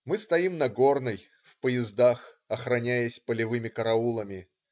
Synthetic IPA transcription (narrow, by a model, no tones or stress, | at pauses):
mɨst̪ɐimnɐɡo̞rnɨj | fpəjɪzd̪ax | ɐxɾɐnʲæjəsʲpəlʲɪvɨmʲɪkəɾɐulˠəmʲɪ